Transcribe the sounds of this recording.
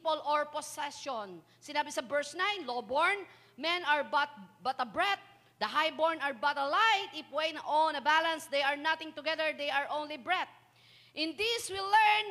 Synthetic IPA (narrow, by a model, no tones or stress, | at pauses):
polʔɔɹpɔsɛʃɔn | sɪnaːbɪsɐbɛɹsnãjnlobɔɹn | mɛ̃naɹbɐt̪̚bɐt̪ɐbɹɛt̪̚ | d̪ɐɦajbɔɹnaɹbɐt̪ɐlajt̪ɪfwejnʔonɐbalɐ̃nsd̪ejɐɹnat̪ɪ̃ŋt̪ʊɡɛðɛɹd̪ejaɹʔõwnlibɹɛt̪̚ | ʔɪ̃nd̪iswilɛɹn